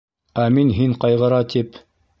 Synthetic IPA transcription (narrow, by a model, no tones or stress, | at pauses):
æminɦiɴqɑjʁɤ̆ɾɑt̪ʰip